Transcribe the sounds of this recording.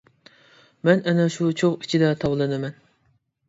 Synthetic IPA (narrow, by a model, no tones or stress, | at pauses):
mɛnɛnɛʃut͡ʃʰoqi̥t͡ʃʰid̪ɛt̪ʰɑwlˠɨnɨmɛn